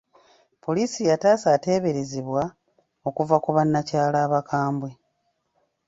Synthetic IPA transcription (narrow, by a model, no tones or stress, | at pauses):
po̞liːsijataːsaːte̞ːβe̞ɾe̞ziβwa | o̞kuvakuβanːacaːlaːβakʰaːmbwe̞